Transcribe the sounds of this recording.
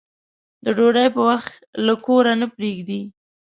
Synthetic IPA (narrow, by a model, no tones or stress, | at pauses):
d̪̥əɖoɖajpəwaxt̪lakoɾanəpɾeɡd̪i